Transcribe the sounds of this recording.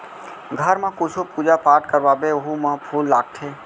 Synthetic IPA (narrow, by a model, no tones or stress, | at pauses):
ɡʱəɾmãkʊt͡ʃʰopuːd͡ʒapaːʈkəɾʋaːbeoɦumãpʰuːlːaːɡt̪ʰeː